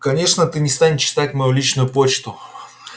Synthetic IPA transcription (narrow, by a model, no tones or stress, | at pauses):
kɐnʲe̞ʂnət̪ɨnʲɪst̪anʲt͡ɕːɪ̥t̪atʲmɐjulʲit͡ɕnʊjʊpot͡ɕt̪ʊ